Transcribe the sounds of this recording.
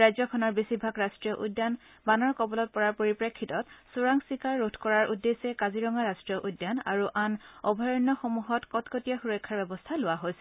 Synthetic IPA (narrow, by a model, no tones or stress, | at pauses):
ajzɔkʰɔnɔɹbisibʱakɹastɹijɔʔudːjan | banɔɹkɔbɔlɔt̚pɔɹaɹpoɹipɹekʰːitɔtsuɹaŋsikaɹːotʰkɔɹaɹʔudːesɛkaziɹɔŋɡaɹastɹijɔʔudːjana̰ɹuʔanɔbʱɔjɔnːɔxomuɦɔtkɔtkotijaxuɹɔjkʰːaɹbɛbɔstʰalʊaɦojsɛ